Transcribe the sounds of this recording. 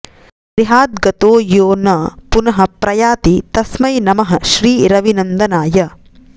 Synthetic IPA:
ɾiɦaːd̪ɡɐt̪oːjoːnɐpunɐɦɐ̆pɾɐjaːt̪it̪ɐsmɐjnɐmɐɦɐʃɾiːɾɐʋinɐnd̪ɐnaːjɐ

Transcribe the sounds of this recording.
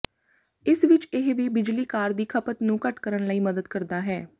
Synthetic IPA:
ɪsʋɪt͡ʃɪɦʋiːbɪd͡ʒliːkaːɾd̪iːkʰəpət̪nũːkəʈkəɾənləiːməd̪əd̪kəɾd̪aːɦɛː

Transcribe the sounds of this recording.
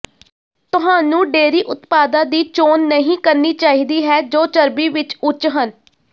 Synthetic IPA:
t̪ʊɦãːnũːɖeːɾiːʔʊt̪paːd̪ãːd̪iːt͡ʃoːnːəɦĩːkəɾniːt͡ʃaːɦiːd̪iːɦɛːd͡ʒoːt͡ʃəɾbiːʋɪt͡ʃʊt͡ʃɦən

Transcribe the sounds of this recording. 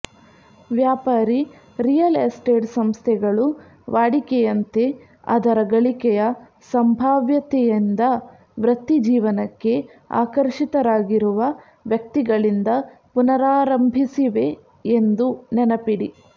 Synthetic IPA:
ʋjaːpaːɾi | ɾijɐlesʈeːʈsɐmst̪ʰɛɡɐɭu | ʋaːɽikɛjɐnt̪e̞ | ɐ̰d̪ɐɾɐɡɐɭikɛjɐ | sɐmbʱaːʋjɐt̪ɛjind̪ɐ | ʋɾɐt̪ːid͡ʒiːʋɐnɐkːe̞ | a̰ːkɐɾʂit̪ɐɾaːɡiɾuʋɐ | ʋjɐk̚t̪iɡɐɭind̪ɐpunɐɾaːɾɐmbʱisiʋe̞ | end̪unɛnɐpiɽi

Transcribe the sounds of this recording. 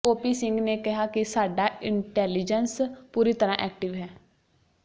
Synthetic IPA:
oːpiːsɪŋɡneːkɪɦaːkɪsaːɖaːɪɳʈɛːlɪd͡ʒənspuːɾiːt̪əɾãːʔɛːk̚ʈɪʋɦɛː

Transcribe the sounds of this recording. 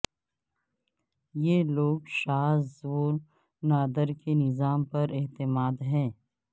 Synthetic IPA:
jeːloːɡʃaːzoːɾ | naːd̪əɾkenɪzaːmpɐɾɪɦt̪ɪmaːd̪ɦɛ̃ː

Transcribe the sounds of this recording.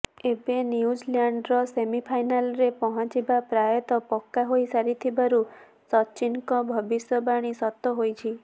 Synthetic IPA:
ebenjud͡ʒlaɳɖɾɔsemipʰajnalɾepɔɦɔ̃t͡ʃibapɾajɔt̪ɔpɔkːaɦojsaɾit̪ʰibaɾu | sɔt͡ʃinkɔbʱɔbisjɔbaɽ̃isɔt̪ːɔɦojt͡ʃʰi

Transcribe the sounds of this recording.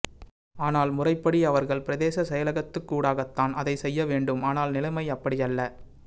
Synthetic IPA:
aːnaːlmʊrɐɪpːɐɽiɐʋɐɾɣɐɭpɪɾɐðeːsɐsɛjɐlɐɣɐt̪ːɯkːuːɽaːɣɐt̪ːaːnʔɐðɐɪsɛjːɐʋeːɳɖɯmaːnaːlnɪlɐɪmɐɪɐpːɐɽɪjɐlːɐ

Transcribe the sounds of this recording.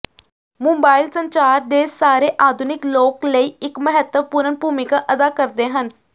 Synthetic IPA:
mũmbaːɪlsəɲt͡ʃaːɾd̪eːsaːɾeːʔaːd̪ʱunɪkloːkləiːɪkməɦət̪ːəʋpuɾənbʱuːmɪkaːʔəd̪aːkəɾd̪eːɦən

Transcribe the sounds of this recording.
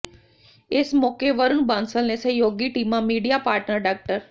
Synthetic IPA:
esmokeʋəɾunbãnsəlnesə̃joɡiʈimːãmiɽijapaɾʈnəɾɖak̚ʈəɾ

